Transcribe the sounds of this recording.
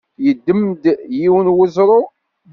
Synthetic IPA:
jəd̪ːəmd̪jiwənwəzɾˤo

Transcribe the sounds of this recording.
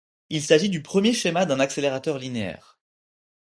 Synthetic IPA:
ilsaʒid̪ypχəmjeʃemad̪ɛ̃nakseleʁat̪œʁlineɛ̰ːʁ

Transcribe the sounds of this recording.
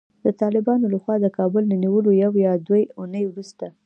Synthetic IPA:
d̪ət̪ɑlɪbɑnolaxwɑd̪əkɑbʊlnaniwəlojawjɑd̪wejunəjwɾust̪a

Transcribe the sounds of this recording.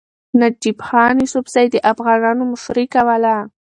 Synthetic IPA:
nad͡ʒibxɑːnisʊbzajd̪əʔafɣɑnɑnomʊʂɾikawala

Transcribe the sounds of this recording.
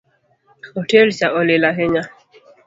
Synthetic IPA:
hɔtɛlt͡ʃaʔɔlɛlaɦɛɲa

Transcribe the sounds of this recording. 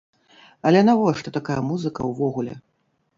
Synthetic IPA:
ɐlʲɛnavɔʂt̪ɔt̪akajɐmuzɨkɐ̰wvɔɣulʲɛ̰

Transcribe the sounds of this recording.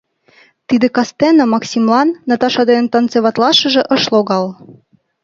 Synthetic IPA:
t̪id̪ĕkɑst̪enɑmɑksʲimlɑnːɑt̪ɑʃɑd̪ɤnt̪ɑnt͡seβɑt̪lɑʃɤ̆ʒĕʔɤ̆ʃloɣɑl

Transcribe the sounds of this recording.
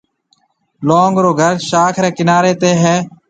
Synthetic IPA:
loːŋɡɾoːɡʱəɾʃaːkʰɾeːkɪnaːɾeːt̪eːɦɛː

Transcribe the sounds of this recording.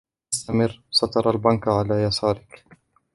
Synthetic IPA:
st̪amɪrːsˤɑt̪ɑɾˤalbankʕalaːjasɑːɾɪk

